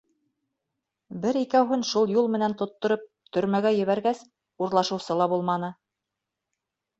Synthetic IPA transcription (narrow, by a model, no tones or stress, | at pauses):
bɘɾikæwɦɵnʃulˠjulˠmɘ̆nænt̪ŏt̪ːŏɾɤp̚ | t̪ɵ̆ɾmæɡæjɘ̆βæɾɡæs | uɾlˠɑʃɤ̆wsɤlˠɑbulˠmɑnɤ